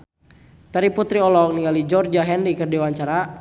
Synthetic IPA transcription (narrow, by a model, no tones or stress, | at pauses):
t̪aɾiput̪ɾiɔlɔk̚niŋalid͡ʒɔrd͡ʒaɦɛnɾikərdiwaɲt͡ʃaɾa